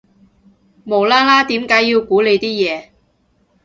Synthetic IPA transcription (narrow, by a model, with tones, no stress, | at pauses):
mo˨˩wlaː˥laː˥t̪iː˨˥mkaː˨˥jiː˧wkuː˨˥le˨˧jt̪iː˥jɛː˨˧